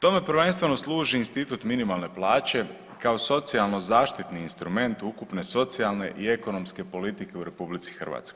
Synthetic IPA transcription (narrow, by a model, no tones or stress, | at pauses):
t̪o̞me̞pɾʋe̞nst̪ʋe̞no̞slˠuːʒiːnst̪it̪ut̪minimalˠne̞plˠaːt͡ɕe̞ | kao̞so̞t̪sialˠno̞zaːʃt̪it̪niːnst̪ɾume̞nt̪ukupne̞so̞t̪sialˠne̞̰ʔie̞ko̞no̞mske̞po̞lit̪ike̞uɾe̞publit̪si̥xr̩ʋa̰ːt̪sko